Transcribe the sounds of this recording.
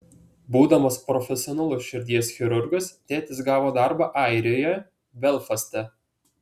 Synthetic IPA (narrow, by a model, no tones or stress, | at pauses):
buːd̪ɐmɐspɾɔfʲɛsʲɪɔnɐlˠʊsʃʲɪɾʲd̪ʲiɛsxʲɛɾʊɾɡɐst̪ʲæːt̪ʲɪsɡɑːʋoːd̪ɑɾbɑʔɑˑɪɾʲoːjɛ | ʋʲɛlˠfɐsʲt̪ʲɛ